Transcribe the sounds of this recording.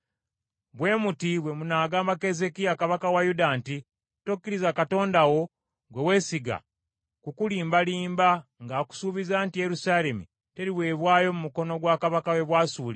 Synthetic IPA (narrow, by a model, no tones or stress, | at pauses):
βwe̞ːmutiβwe̞munaːɡaːmbake̞ze̞kijakaβakawajudanti | tokːiɾizakato̞ːndawo̞ | ɡwe̞we̞ːsiɡa̰ | kukuliːmbaliːmbaŋɡaːku̥suβizaːntije̞ɾusaːle̞mṵ | te̞ɾiwe̞ːβwaːjo̞mumuko̞no̞ɡwaːkaβakawe̞βwaːsuːli